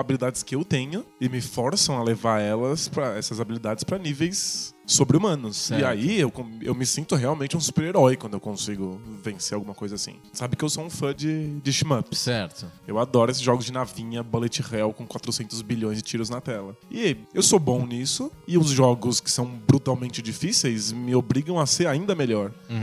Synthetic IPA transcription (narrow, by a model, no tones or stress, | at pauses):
abilid̪ad͡ʒɪskɪewt̪ẽɲʊɪmɪfɔɾsɐ̃w̃ɐlevaɾɛlɐspɾɐɛsɐzabilid̪ad͡ʒɪspɾɐnivejsːobɾɪumɐ̃nʊsɪaiewkõḛwmɪsĩnt̪ʊɦeawmẽnt͡ʃɪũsu̥peɾeɾɔjkwɐ̃d̪ʊewkõsiɡʊvẽseɾawɡũmɐkojzɐasḭ̃ | sabɪkɪewsoũfɐ̃d͡ʒɪd͡ʒɪʃimɐpssɛɾt̪ʊewad̪ɔɾʊesɪzʒɔɡʊzd͡ʒɪnavĩɲɐbolet͡ʃɪʁawkõkwat̪ɾʊsẽnt̪ʊzbiʎõj̃zd͡ʒɪt͡ʃiɾʊznɐt̪ɛlɐɪewsobõw̃nisʊɪʊzʒɔɡʊskɪ̥sɐ̃w̃bɾut̪awmẽnt͡ʃɪd͡ʒifisejzmɪobɾiɡɐ̃w̃ɐseɾaĩnd̪ɐmeʎɔɾ